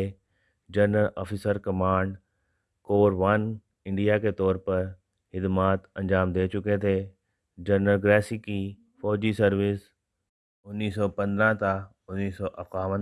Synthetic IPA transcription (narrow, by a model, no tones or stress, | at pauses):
e | d͡ʒɐɾnəlɔːfʰɪsəɾkɐmaːɳɖ | koːɾʋɐn | ɪ̃ɳɖijaket̪ɔːɾpɐɾ | hɪd̪maːt̪ɐ̃nd͡ʒaːmd̪eːt͡ʃʊket̪ʰe | d͡ʒɐɾnəlɡɾɛːsiki | fɔːd͡ʒisɐɾʋɪs | ʊnːiːsɔpɐ̃nd̪ɾãt̪a | ʊnːiːsɔʔɐfkaːʋə̃n